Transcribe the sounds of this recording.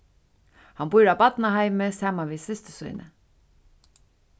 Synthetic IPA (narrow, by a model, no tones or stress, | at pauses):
hanbʊjɾawbpat̪nahajməsaːmanvisɪst̪ə̥sṵjnə̰